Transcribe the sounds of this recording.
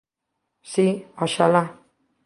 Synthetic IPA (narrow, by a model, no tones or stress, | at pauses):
siɔʃala